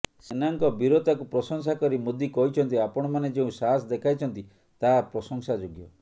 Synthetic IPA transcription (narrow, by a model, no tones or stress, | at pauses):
senaŋkɔbiɾot̪akupɾɔsɔŋsakɔɾimod̪ʱikɔɦit͡ʃʰɔnt̪iapɔɽ̃ɔmaned͡ʒeũsaɦsɔd̪ekʰajt͡ʃʰɔnt̪i | t̪aapɾɔsɔŋsad͡ʒoɡjɔ